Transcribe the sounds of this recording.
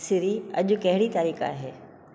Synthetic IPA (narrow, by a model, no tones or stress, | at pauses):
sɪɾiɐ̰ʄʊ̆kɐɦɪɽit̪aːɾiːka̰ːɦeː